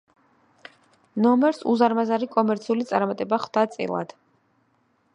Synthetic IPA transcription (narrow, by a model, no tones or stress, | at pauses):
nɔmɛɾsuzaɾmazaɾikʼɔmɛɾt̪sʰiulit̪sʼaɾmat̪ʼɛbaχd̪̥at̪sʼḭlˠa̰d̪̥